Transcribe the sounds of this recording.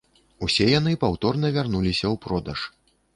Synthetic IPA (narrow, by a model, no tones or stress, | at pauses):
usʲɛjanɨpawt̪ɔrnɐvʲarnulʲisʲɐwpɾɔd̪ɐʂ